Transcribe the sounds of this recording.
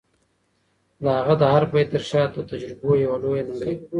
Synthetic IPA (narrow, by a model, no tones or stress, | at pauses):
d̪əhaɣad̪əhaɾpajt̪əɾʃɑːt̪ot̪ad͡ʒɾɪbojawalojand̪e